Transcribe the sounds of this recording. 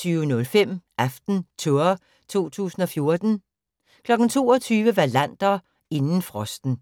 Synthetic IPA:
t͡sʰyːʊnɔ̽lfem̰ʔæfd̥n̩t͡sʰoɐ | t͡sʰo̝̰ːt͡sʰṵːsn̩ɒ̽fjo̝ɐd̥n̩ | kʰlɒ̽ɡ̥n̩t͡sʰo̝̰ːɒt͡sʰyːʋəʋælæn̰d̥ɐ | e̝nn̩fʁɒ̽sd̥n̩

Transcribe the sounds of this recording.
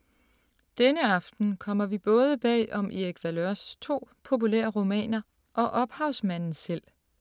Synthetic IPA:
d̥enəɑ̈fd̥n̩kʰɒ̽m̰ɐʋib̥ɔ̽ːð̞ˠəb̥ɛ̰ːɒ̽mieɡ̥ʰʋæløɐst͡sʰo̝̰ːpʰo̝p̬uleːɐʁomɛ̰ːnɐ | ʔɒ̽ʔɒ̽b̥hɑ̈ʊsmæn̰n̩sel̰

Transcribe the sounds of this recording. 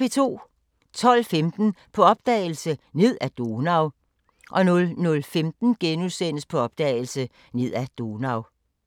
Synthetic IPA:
e̝t͡sʰo̝̰ː | t͡sʰɒ̽l̰femd̥n̩pʰɒ̽ɒ̽b̥d̥ɛ̰ːɪl̩səne̝ð̞̰ˠæd̥o̝nɑ̈ʊ | ʔɒ̽nɔ̽lnɔ̽lfemd̥n̩ɡ̥enusen̰əspʰɒ̽ɒ̽b̥d̥ɛ̰ːɪl̩sə | ne̝ð̞̰ˠæd̥o̝nɑ̈ʊ

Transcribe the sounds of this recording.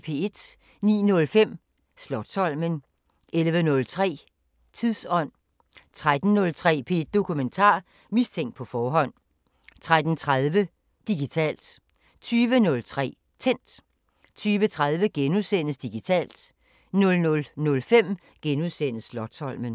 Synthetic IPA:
pʰe̝̰e̝d̥ | nḭːnɔ̽lfem̰ | slɒ̽d̥sɒ̽l̰mən | ʔelʋənɔ̽lt͡sʰʁɛ̰ː | t͡sʰiðˠsɒ̽n̰ | t͡sʰʁad̥n̩nɔ̽lt͡sʰʁɛ̰ːpʰe̝d̥̚ːo̝kʰument͡sʰɑ̰̈ː | mist͡sʰeŋ̰d̥̚pʰɒ̽fɒːɦɒ̽n̰ | t͡sʰʁad̥n̩t͡sʰʁað̞ˠʋə | d̥iɡ̥it͡sʰɛ̰ːld̥ | t͡sʰyːʋənɔ̽lt͡sʰʁɛ̰ː | t͡sʰen̰d̥ | t͡sʰyːʋət͡sʰʁaðˠʋəɡ̥enusen̰əsd̥iɡ̥it͡sʰɛ̰ːld̥ | nɔ̽lnɔ̽lnɔ̽lfem̰ | ɡ̥enuðˠsenəsːlɒ̽d̥sɒ̽l̰mən

